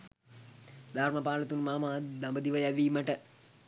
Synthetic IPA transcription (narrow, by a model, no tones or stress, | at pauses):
d̪ʱaːɾmɐpaːlɐt̪unmaːmaːd̪ɐmbəd̪iʋɐjaʋiːmɐʈə